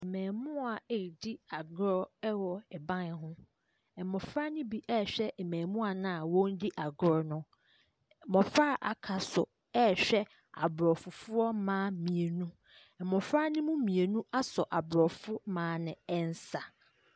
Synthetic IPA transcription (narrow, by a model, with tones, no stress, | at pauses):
mɛ̃ː˨mʊ̃˦a˨di˦a˨ɡɾɔ˦ɛ˦wɔ˨ɛ˨bã˦n˨ɦʊ̃˦ | ɛ˨mɔ̃˨fɾa˦nɪ̃˦bi˦ʔɛ˦˨ɕᶣɛ˦ɛ˨mɛ̃ː˨mũ˦a˨nã˦˨wɔ̃˦n˦di˦ʔa˨ɡɾɔ˦˨nʊ̃˨ | mɔ̃˨fɾa˦ʔa̰˨kʰa˨sʊ̰˨ | ɛ˦˨ɕᶣɛ˦ | a̰˨bɾɔ˨fʊ˨fʊ˦ɔ˦mãː˦mĩ˨e˨nũ˦ | ɛ˨mɔ˨fɾa˦nɪ̃˦mũ˦mĩ˨e˨nũ˦ʔa˦sɔ˨ʔa˨bɾɔ˨fʊ˦mãː˨˦nɪ̃˨ɛ˦n˦sa˨